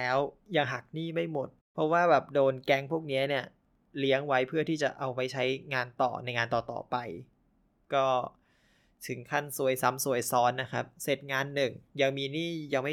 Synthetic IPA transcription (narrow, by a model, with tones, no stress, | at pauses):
lɛː˦˥wja˧ŋɦa˨˩k̚niː˥˩ma˥˩jmo˨˩t̪̚pʰɔ˦˥waː˥˩bɛː˨˩p̚doː˧nkɛ˧˩ŋpʰuː˥˩ək̚ni˦˥ɐni˦˥˩ɐ | li˦˥əŋwa˦˥jpʰɯ˥˩ɐt̪ʰiː˥˩t͡ɕa˨˩ʔa˧wpa˧jt͡ɕʰa˦˥jŋaː˧nt̪ɔ̰ː˨˩na˧jŋaː˧nt̪ɔː˨˩t̪ɔ̰ː˨˩pa˧j | kɔː˥˩ | t̪ʰɯ˩˦ŋkʰa˥˩nsu˨˩əjsa˦˥msu˨˩əjsɔː˦˥nːa˦˥kʰa̰˦˥p̚se˨˩t̪̚ŋaː˧nːɯ˨˩ŋja˧ŋmiː˧niː˥˩ja˧ŋma˥˩